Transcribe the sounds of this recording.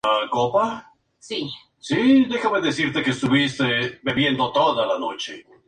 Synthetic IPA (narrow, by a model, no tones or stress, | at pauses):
akopa | si | sid̪e̞xameðesiɾt̪ekeest̪uβist̪ebeβje̞nd̪o̞t̪o̞ðalano̞t͡ʃe̞